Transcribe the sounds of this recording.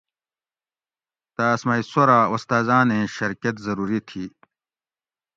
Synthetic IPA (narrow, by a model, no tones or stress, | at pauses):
t̪aːsmaːisoɾaːost̪aːzãːnẽɕɐɾkɐt̪zɐɾuːɾit̪ʰiː